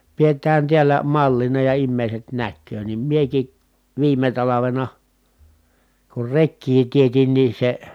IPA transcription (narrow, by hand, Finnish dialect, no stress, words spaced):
pietˑæːn tiælæ mɑlːinɑ jɑ imːeˑi̯set nækːøː nim mieki ʋiːme tɑlɑʋenɑ kur rekːiː tietin nin̞ se